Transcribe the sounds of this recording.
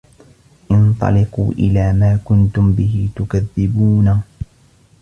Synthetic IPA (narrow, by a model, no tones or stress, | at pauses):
ʔɪnt̪ˤɑ̰lɪqṵːʔɪlaːmaːkʊnt̪ʊmbɪɦɪt̪ʊkaðːɪbuːna